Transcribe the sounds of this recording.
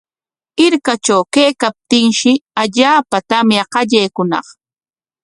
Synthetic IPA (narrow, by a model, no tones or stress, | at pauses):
ɪɾkat͡ʃawkejkap̚t̪ɪŋʃɪaʎaːpat̪amjaqɑʎejkʊnɑ̰χ